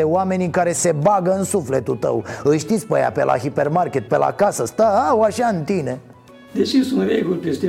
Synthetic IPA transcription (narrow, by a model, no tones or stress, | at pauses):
eoame̞nikaɾe̞se̞baɡəɨnsufle̞t̪ut̪ə̰wɨjʃt̪it̪sʲpəja̰pelʔa̰ɦipe̞rmarkʲet̪̚pela̰kasəst̪aawaʃaɨnt̪ine̞ | d̪eʃisunveɡut̪est̪e